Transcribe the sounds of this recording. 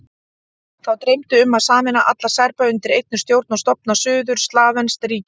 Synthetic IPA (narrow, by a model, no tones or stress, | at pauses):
θawt̪ɾejmt̪ʏʏmːaðsaːmɛnaʔa̰t̪lḁsɛɾpaʏnt̪ɪɾejt̪̚nʏst̪jowɾt̪nast̪ɔp̚nasʏːðʏɾ̥st̪laːvɛnst̪riːc